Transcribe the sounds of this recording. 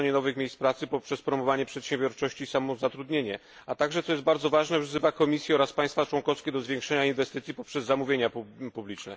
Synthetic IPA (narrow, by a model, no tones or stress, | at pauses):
ɲɛnɔvɘxmʲejspɾat̪sɘpɔpʂɛspɾɔmɔvaɲɛpʂɛt̪ɕɛ̃mbʲjɔɾt͡ʂɔɕt͡ɕiːsamɔzat̪ɾud̪ɲeɲɛ | at̪aɡʐɛt̪sɔjɛst̪̚baɾd̪zɔvaʐnɛzɘvakɔmʲisʲjiɔɾaspaj̃st̪fat͡ʂwɔnkɔfskʲɛd̪ɔzvʲjeŋkʂɛɲainvɛst̪ɘt̪sʲipɔpʂɛzːamuvʲeɲapupublʲit͡ʂnɛ̰